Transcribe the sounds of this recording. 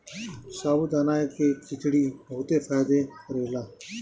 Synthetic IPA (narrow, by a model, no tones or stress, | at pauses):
saːbʊd̪aːnaːkeːkʰɪt͡ʃɽiːbəɦʊt̪eːfaːjd̪eɾeːlaː